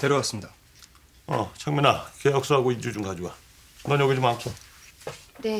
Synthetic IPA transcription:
teɾjowas͈ɯmɲida | ʌ̰t͡ɕʰaŋminakejʌk̚s͈oɦaɡoid͡ʑud͡ʑuŋɡad͡ʑuɡa | nʌnjʌɡid͡ʑumankʰo | ne

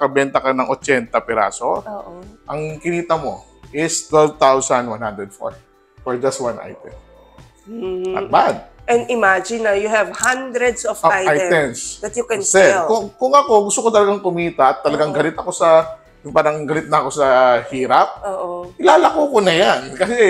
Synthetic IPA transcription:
kɐbɛnt̪ɐkɐnɐŋʔot͡ʃɛnt̪ɐpɛɾa̰ːsooːʔoʔɐŋkɪniːt̪ɐmo̞ | ʔɪst̪wɛlvt̪awsɐnd̪wanhãnd̪ɾɛd̪fo̰ɹ | foɹd͡ʒɐst̪̚wanʔa̰jt̪ɛm̩ | ʔɐ̰t̪̚bad̪̚ʔɛ̃nd̪ɪmad͡ʒɪ̃nːɐjuhɛvhãnd̪ɾɛd̪sɔfoajajt̪ɛmsd̪ɐt̪jʊkɛ̃sɛlkʊŋkʊŋɐko̞ɡʊst̪okot̪ɐlɐɡaŋkʊmiːt̪ɐʔɐt̪ːɐlɐɡaŋɡɐlɪt̪ɐko̞sɐ | jʊŋpaːɾɐŋɡɐlɪt̪̚nɐko̞sɐhiːɾɐp̚oːʔoʔɪlaːlɐkuːkonɐjankɐsɛ

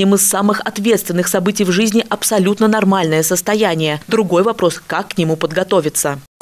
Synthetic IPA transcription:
imɨsːamɨxɐt̪vʲet̪st̪vʲɪnːɨxsɐbɨtʲɪjvʐɨzʲnʲɪʔɐpsɐlʲut̪nənɐrmalʲnəjəsəst̪ɐjænʲɪjəd̪ɾʊɡo̞jvɐpɾo̞skakːnʲɪmupəd̪ɡɐt̪o̞vʲɪt̪sə

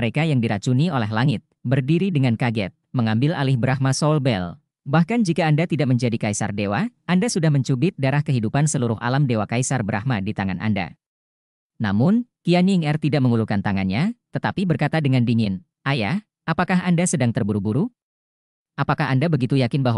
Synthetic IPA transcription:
ɾekajaŋdiɾat͡ʃuniolɛɦlaŋɪt̪̚bərdiɾidəŋankaɡɛ̰t̪̚məŋambɪla̰lɪhbəɾahmasolbɛ̰l | bahkand͡ʒikaːndat̪idaʔməɲd͡ʒadikaisa̰rdewaʔandasudahməɲt͡ʃubɪt̪̚daɾahkəɦidupansəluɾʊɦʔa̰lamdewakajsarbəɾʔa̰hmadit̪aŋanʔa̰nda̰ | namʊnkianiːŋɛrt̪idaʔməŋulukant̪aŋanɲat̪ət̪apibərkat̪adəŋandiɲɪn | ʔajah | ʔapakaɦandasədaŋt̪ərbuɾubuɾu | ʔapakahandabəɡit̪ujakɪnbaɦ

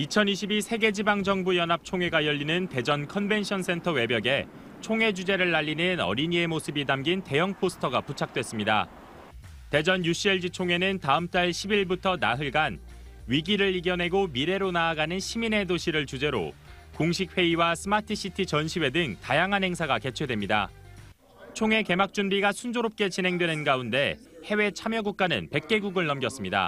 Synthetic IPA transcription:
it͡ɕʰʌniɕʰibisʰe̞ɡe̞d͡ʑibaŋd͡ʑʌŋbujʌnɦap̚t͡ɕʰoŋe̞ɡajʌʎːinɯnte̞d͡ʑʌnkʰʌnbe̞nɕʰʌns͈ʰe̞ntʰʌwe̞bjʌɡe̞ | t͡ɕʰoŋɦe̞d͡ʑud͡ʑe̞ɾɯɭːaʎːinɯnʌ̰ɾiɲie̞mosʰɯbidamɡinte̞jʌŋpʰosʰɯ̥tʰʌɡaput͡ɕʰak̚t͈we̞s͈ɯmɲida̰ | te̞d͡ʑʌnjuɕ͈ʰieɭd͡ʑit͡ɕʰoŋe̞nɯntaɯmt͈aɭɕʰibiɭbutʰʌna̰ɦɯɭɡan | ɥiɡiɾɯɭiɡjʌnɦe̞ɡomiɾe̞ɾonaːɡanɯnɕʰimine̞doɕʰiɾɯɭt͡ɕud͡ʑe̞ɾo̰ | koŋɕ̬ʰik̚ʰɸe̞iwasʰɯmatʰɯɕ͈itʰit͡ɕʌnɕʰiwe̞dɯŋtajaŋɦanɦhe̞ŋsʰaɡake̞t͡ɕʰwe̞dwe̞mɲida̰ | t͡ɕʰoŋe̞ke̞mak̚t͡ɕ͈unbiɡasʰund͡ʑoɾop̚k͈e̞t͡ɕinɦe̞ŋdwe̞nɯnɡaunde̞ | he̞we̞t͡ɕʰamjʌɡuk̚k͈anɯ̰npe̞k̚k͈e̞ɡuɡɯɭnʌmɡjʌs͈ɯmɲida̰

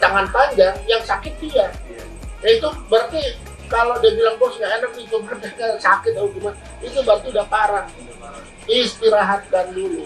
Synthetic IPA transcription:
t̪aŋanpaɲd͡ʒaŋjaŋsakɪt̪̚dia | nait̪ubəart̪i | kaladiabilaŋpɔsŋaenak̚it̪ubərdakasakɪt̪̚auɡina | it̪ubərt̪iudahpaɾaŋi | ist̪iɾaɦat̪̚kandini

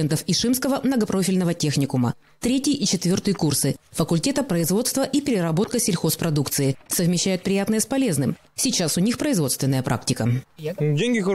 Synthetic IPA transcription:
ɛnt̪əfiʂɨmskəvəmnəɡɐpɾo̞fʲɪlʲnəvətʲe̞xnʲɪkʊmə̰ | t̪ɾʲetʲɪʔit͡ɕɪt̪vʲo̞rt̪ɨjəkursɨfəkʊlʲtʲe̞t̪əpɾəɪzvo̞t̪st̪vəʔipʲɪɾʲɪɾɐbo̞t̪kəsʲɪlʲxo̞spɾɐd̪ukt̪sɨɪsəvmʲɪɕːæjʊt̪̚pɾʲɪjat̪nəjəspɐlʲe̞znɨm | sʲɪt͡ɕasʊnʲixpɾəɪzvo̞t̪st̪vʲɪnːəjəpɾʔa̰k̚tʲɪkədʲeŋʲɡʲɪx

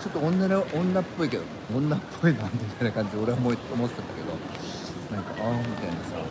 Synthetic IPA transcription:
t͡ɕo̞t̪ːoõnːaneʔõnːapːo̞ike̞d̪o | õnːapʰːo̞inãnt̪emit̪ajinakãɲ̟d͡ʑid̪ʲeo̞ɾeamoit̪omot̪ːe̥t̪et̪ːake̞d̪o̞̰ | nãŋka̰ʔamʲit̪ainisa̰

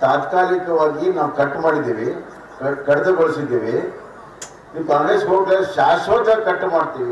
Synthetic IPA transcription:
t̪aːt̪kaːlikɐʋaːɡinaːʋkɐʈːmaːɽid̪iːʋi | kɐkɐɽɐd̪ɐbɐɭsid̪ːiːʋi | niːʋkaːŋɡɾeːsɦoːɡɾeʃaːst̪ʋaːd͡ʒ̪aːɡ̚kɐʈːmaːɽt̪iːʋi

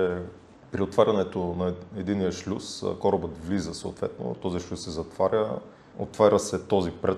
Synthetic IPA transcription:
ɛ | pɾiot̪vaɾʲɐnɛt̪onɐɛd̪inijəʃlʲuskɔɾɐbət̪vlizəsoo̰t̪vɛ̰t̪no̰t̪ɔziʃlʲusːɛzɐt̪vaɾʲə | o̰t̪vaɾʲəsɛt̪ɔzipɾɛ

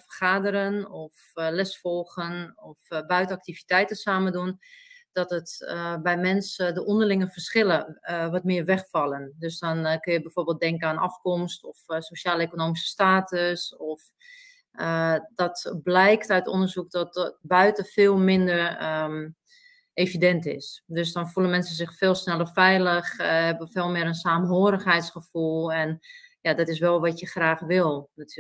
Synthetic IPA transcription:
fərχaːdəɾənɔf | lɛsfɔlˠɣənɔfbœɥtəak̚tivitɛjtəsaːməndund̥ɔtətbɛjmɛnsdəʔɔndərlɪŋəfərsxɪləʋɔtmɪːərʋɛxfɑlˠəndøsdɔnkøjəbɛjfoːrbeːlˠt̚dɛŋkəaːnɑ̰fkɔmstɔfsoʃaːləekonoːmisə̥staːtəsɔf | ədɔtblɛjktœɥtɔ̰ndərzuk̚dɔtbœɥtəfɪːlˠmɪndər | eːvidɛntɪ̰sdøs̬dɔnfulənmɛnsənsɪxfɪːlˠsnɛlˠəfɛjləxhɛbəfeːlˠmɪəənsaːmɦoːəɾəxɦɛjtsχəfulˠɛnjadɔtɪs̬ʋɛlˠʋɔtjəxraːxʋɪlˠnatʰy

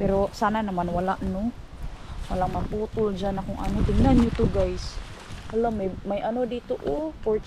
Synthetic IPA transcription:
pɛɾosananamanwalaʔno | walamaput̪ʊld͡ʒanakʊŋʔa̰not̪ɪŋnanjut̪uɡajs | alammajʔanod̪it̪ʊʔopot͡ʃ

